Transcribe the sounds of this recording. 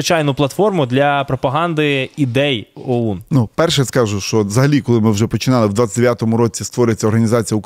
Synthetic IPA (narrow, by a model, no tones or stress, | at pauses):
ɪt͡ʃɑjnʊplˠɐt̪fɔrmʊd̪lʲɐpɾɔpɐɦɑnd̪ɪid̪ɛjɔunnupɛrʃɛjskɑʒʊʃt͡ʃɔzɐɦɐlʲikɔlˠɪmɪwʒɛpɔt͡ʃɪnɑlˠɪwd̪ʋɑt̪ʲt͡sʲɪtʲd̪ʲeʋjat̪ɔmʊɾɔt͡sʲist̪ʋɔɾʲɪjt͡sʲːɐɔrɦɐnʲizɑt͡sʲijɐʊk